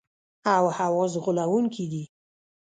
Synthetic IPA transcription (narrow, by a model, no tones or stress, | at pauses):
awhawɔzɣʊlawuŋkʰid̪i